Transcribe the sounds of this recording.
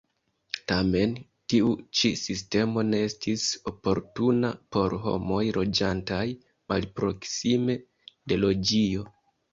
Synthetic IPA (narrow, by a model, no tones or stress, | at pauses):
tame̞n | tiut͡ʃisiste̞mo̞ne̞estiso̞po̞ɾtunapo̞ɾɦo̰mo̞jɾo̞d͡ʒantaj | malpɾo̞ksime̞ | de̞lo̞d͡ʒio̞